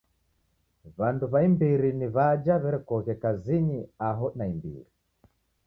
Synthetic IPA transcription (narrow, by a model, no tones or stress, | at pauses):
βanduβaimbiɾiniβad͡ʒaβɛɾɛkɔɣɛkaziɲiaɦɔnaimbḭɾi